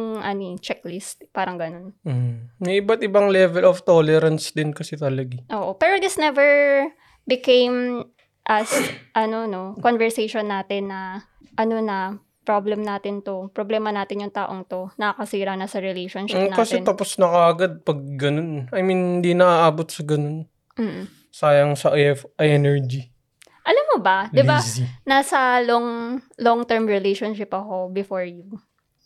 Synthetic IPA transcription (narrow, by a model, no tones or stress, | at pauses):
ŋʔɐnot͡ʃɛklɪst̪̚paːɾɐŋɡɐno̞nm̩mɛʔɪbat̪̚ɪbaŋlɛvɛloft̪olɛɾɐnsd̪ɪnkɐsɛt̪ɐlɐɡɪʔoːʔopɛːɾod̪ɪsnɛvɛɹ | bɪkẽjm | ʔɐsʔɐnono̞konvɛɹsejʃonːaːt̪ɪnːɐ | ʔɐno̞nɐ | pɾoblɛmnaːt̪ɪnt̪o̞pɾoblɛːmɐnaːt̪ɪnjʊŋt̪aːʔoŋt̪o̞nɐɐkɐsiːɾɐnɐsɐɾɛlejʃonʃɪnakɐsɛnt̪ɐposnɐkɐʔɐɡad̪̚pɐɡ̚ːɐno̞nɐjminnd̪inɐʔaʔaːbot̪̚sɐɡɐnon | m̩ː | saːjɐŋsɐʔʔɐjɛnɛɹd͡ʒi | ʔɐlamːobɐdd̪ɪbanasɐloŋloŋt̪ɛɹmɹɪlejʃonʃɪpɐko̞bɪfoɹju